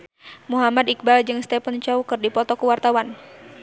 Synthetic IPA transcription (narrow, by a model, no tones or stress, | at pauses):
muɦamadik̚bald͡ʒɨŋst̪ɛpənt͡ʃɔukɨrdipɔt̪ɔkuwart̪awan